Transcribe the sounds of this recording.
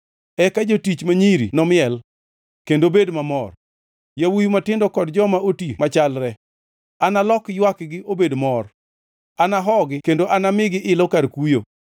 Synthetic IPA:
ɛkad͡ʒotit͡ʃmaɲiɾḭnɔmɪɛl | kendobedmamɔr | jawujumatɪndɔkɔdd͡ʒɔmaotimat͡ʃalɾɛ | analɔkjwakɡɪʔobedmɔr | anaɦɔɡɪkendoʔanamɪɡɪʔɪlɔkaɾkujo̰

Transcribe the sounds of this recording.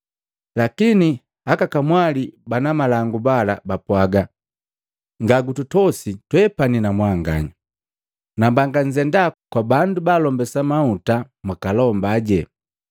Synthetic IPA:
lakini | akakamwalibanamalaŋɡubalabapwaɡa | ŋɡaɡututɔsitwɛpaninamwaŋɡa̰ɲa | nambaŋɡaɲd͡ʒɛndakwabandubalɔmbɛsamauta | mwakalɔmbaɟɛ

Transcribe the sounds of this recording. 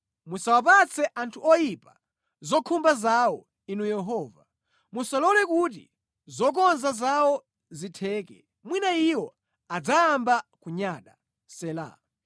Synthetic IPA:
musawap̬at͡sʰɛʔantʰuʔɔjipa | zɔkʰumbazawɔ | inujɛɦɔːva | musalɔlɛkut̬ḭ | zɔk̬ɔnzazawɔ | zitʰɛːkɛ̰ | mwinaiwɔ | ad͡zaambakuɲaːɗa | sɛla̰

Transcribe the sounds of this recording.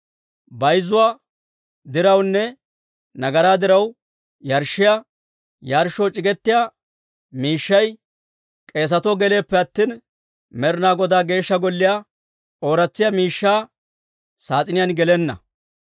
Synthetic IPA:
bɐjzʊwaː | d̪ɪɾɐwnːɛ | nɐɡɐɾaːd̪ɪɾɐw | jɐɾʃːɪja | jɐɾʃːɔt͡ʃʼɪɡɛt̪ːɪjaː | miːʃːɐj | kʼe̞ːs̬ɐt̪ɔɡɛle̞ːpːɛɐt̪ːiːn | mɛɾnaːɡɔd̪aːɡe̞ːʃːɐɡɔlːɪja | o̞ːɾɐt͡sːɪjamiːʃːaː | saːt͡sʼɪnɪjanɡɛlɛnːɐ̰

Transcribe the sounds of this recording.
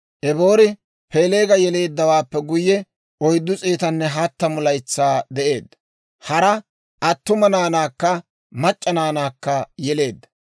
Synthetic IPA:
ʔɛbo̞ːɾɪ | peːle̞ːɡɐjɛle̞ːd̪ːɐwaːpːɛɡʊjːɛ | ʔɔjd̪ːʊt͡sʼeːt̪ɐnːɛɦɐt̪ːɐmʊlɐjt͡sːaːd̪ɛʔe̞ːd̪ːɐ̥ | hɐɾɐ | ʔɐt̪ːʊmɐnaːnaːkːɐ | mɐt͡ʃʼːɐnaːnaːkːɐjɛle̞ːd̪ːɐ̥

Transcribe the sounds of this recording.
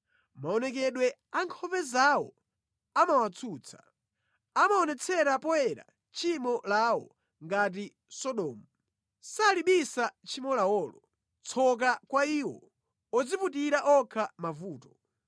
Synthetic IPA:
maɔnɛk̬ɛɗwɛ | aŋkʰɔpɛzawɔ | amawat͡sʰuːt͡sʰḁ̰ | amaɔnɛt͡sʰɛɾapɔɛɾa̰ | t͡ʃʰimɔlawɔ̰ | ŋɡat̬i | sɔɗɔːmu | saliɓisat͡ʃʰimɔlawɔːlɔ | t͡sʰɔk̬akwaiːwɔ | ɔd͡ziputiɾaʔɔkʰamavuːtɔ̥

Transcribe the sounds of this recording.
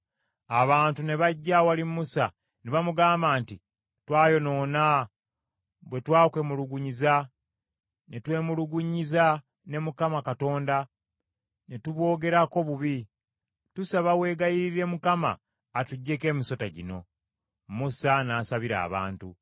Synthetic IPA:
aβaːntune̞βaɟːawaliusa | neβamuɡaːmbaːnti | twaːjo̞no̞ːna | βwe̞twaːkwe̞muluɡuɲiza | netwe̞ːmuluɡuɲiza | ne̞mukamakato̞ːnda | netuβwo̞ːɡe̞ɾako̞βuβi | tusaβawe̞ːɡajiɾiɾe̞mukama̰ː | tuɟːe̞ke̞ːmiso̞taɟḭno̞̰ | musanaːsaβiɾa̰ːβa̰ːntu

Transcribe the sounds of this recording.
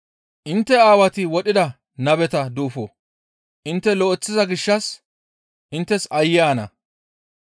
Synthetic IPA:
ʔɪnt̪ːɛaːwɐt̪ɪwɔɗɪd̪ɐ | nɐbɛt̪ɐd̪uːfo | ʔɪnt̪ːɛlɔʔɛt͡sːɪzɐɡɪʃːɐs | ʔɪnt̪ːɛsɐjːaːnɐ̰

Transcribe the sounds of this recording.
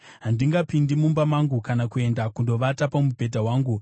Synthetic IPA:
ɦandiŋɡapindimumbamaŋɡukanakue̞ndakundo̞ʋatapamupe̞t̬aɦwaːŋɡu

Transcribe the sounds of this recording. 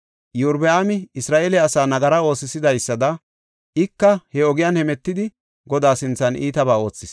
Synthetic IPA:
juɾbɛaːmɪɪsɾaːʔeːlɛɐsaːnɐɡɐɾɐo̞ːsɪsɪd̪ɐjsːɐd̪ɐ | ʔɪkːɐhɛɔɡɪjanhɛmɛt̪ːɪd̪ɪ | ɡɔd̪aːsɪnt͡sːɐnʔiːt̪ɐbaːo̞ːt͡sːɪs

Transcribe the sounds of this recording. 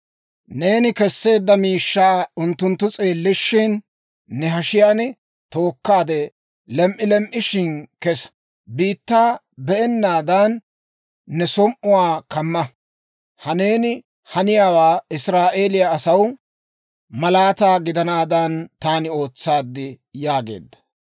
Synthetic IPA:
ne̞ːnɪkɛsːe̞ːd̪ːɐmiːʃːaːʊnt̪ːʊnt̪ːʊt͡sʼe̞ːlːɪʃːɪnː | ɛɦɐʃɪjaːnɪ | t̪o̞ːkːaːd̪ɛ | lɛmʔɪlɛmʔɪʃɪnkɛsɐ̥ | biːt̪ːaː | bɛʔɛnːaːd̪anː | ɛsɔmʔʊwaːkɐmːɐ | hɐne̞ːnɪ | hɐnɪjaːwaːɪsɾaːʔe̞ːlɪjaːsɐw | mɐlaːt̪aːɡɪd̪ɐnaːd̪ɐnt̪aːnɪo̞ːt͡sːaːd̪ːɪ | jaːɡe̞̰ːd̪ːɐ̥

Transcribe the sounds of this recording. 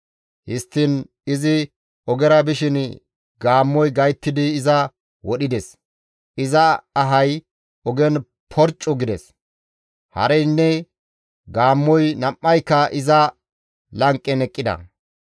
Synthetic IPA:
hɪst̪ːɪn | ɪzɪ | ɔɡɛɾɐbɪʃɪn | ɡaːmːɔjɡɐjt̪ːɪd̪ɪːzɐ | wɔɗɪd̪ɛs | ʔɪzɐɐɦɐj | ɔɡɛn | pʰɔɾt͡ʃʼːɔɡɪd̪ɛs | hɐ̰ɾɛjnːɛ | ɡaːmːɔjnɐmːɐjkːɐʔɪzɐ | lɐŋkʼːɛnɛkʼːɪd̪ɐ̰

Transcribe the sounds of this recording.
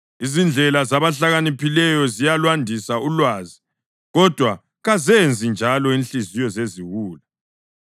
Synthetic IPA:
izind͡ɮʱɛlazaβaɬaɣanipʰilɛjɔzijalwandʱisaulwaːzi | ɣɔd̥ʱwa | ɣazend͡zʱind͡ʒʱalɔinɬizijɔzeziɣuːla

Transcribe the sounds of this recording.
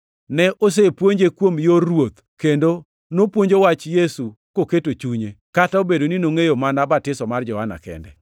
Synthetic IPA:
nɛʔos̬epwoɲd͡ʒekwomjowot̪ | kendo | nopwoɲd͡ʒowat͡ʃjesu | koketot͡ʃuɲekataobedoninoŋejomanabatɪsɔmard͡ʒɔhana̰kɛ̰ndɛ̰

